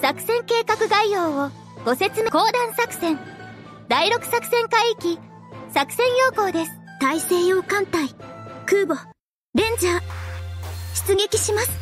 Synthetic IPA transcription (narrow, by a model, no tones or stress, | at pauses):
sakɯ̟̥sẽ̞ŋke̞ːkakɯ̟ɡaijoːo | ɡ̥o̞se̞t͡sɨmeko̞ːd̪ãɰ̃sakɯ̟̥sẽ̞ŋ | d̪aiɾo̞kɯ̟̥sakɯ̟̥sẽ̞ŋkaiikʲi | sakɯ̟̥sẽ̞ɰ̃jo̞ːko̞ːd̪e̞sɨ̥t̪aise̞ːjo̞ːkãnt̪aikɯ̟ːbo | ɾẽ̞ɲ̟d͡ʑa | ɕi̥t͡sɨɡe̞kʲiɕimasɨ̥